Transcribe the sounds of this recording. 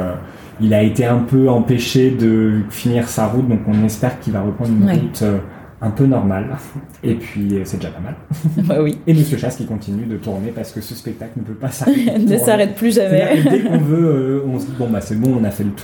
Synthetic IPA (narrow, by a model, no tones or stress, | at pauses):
ø | ilaet̪eɛ̃pøɑ̃peʃed̪əfiniʁsaʁut̪̚d̪ɔ̃kɔ̃nɛspɛʁkʰʲilvaʁəpχɑ̃d̪ʁynʁut̪ʰø | ɛ̃pønɔʁmal | epɥisɛd̪eʒapamalɛwieməsjøʃaskʲikɔ̃t̪inyd̪ət̪uʁnepaʁsə̥kəsəspɛk̚t̪aklnəpøpasaʁnəsaʁɛt̪̚plyʒamɛd̪ekɔ̃vøøɔ̃səd̪ibɔ̃basɛbɔ̃ɔ̃nafɛlət̪ʰu̥